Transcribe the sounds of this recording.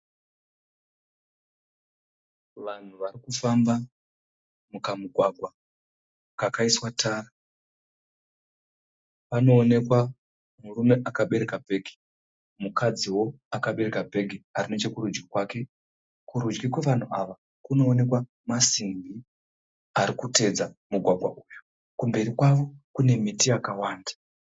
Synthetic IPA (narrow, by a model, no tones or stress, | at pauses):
ʋan̤uʋarikufamba | mukamuɡʱwaɡʱwa | kakaiswatʰaːra | pano̞ːne̞kwa | murume̞ʔakaɓe̞ɾe̞kabʱe̞ːɡʱi̥ | mukʰad͡ziwo̞ | akaɓe̞ɾe̞kabʱe̞ɡʱiarino̞t͡ʃe̞kuɾud͡ʒɡikwaːke̞ | kuɾud͡ʒɡikwe̞ʋan̤uʔaʋa | kuno̞ːne̞kwa | masiŋɡi | aɾikute̞d͡zamuɡʱwaɡʱwa̰ʔujo | kumbe̞rikwaʋo̞kune̞mitijakawaːndḁ